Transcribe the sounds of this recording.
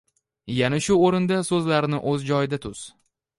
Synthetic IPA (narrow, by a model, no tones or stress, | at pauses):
janaʃʊoɾɪnd̪asɵzlaɾnɪʔɵzd͡ʒɒjɪd̪at̪ʰʊz̥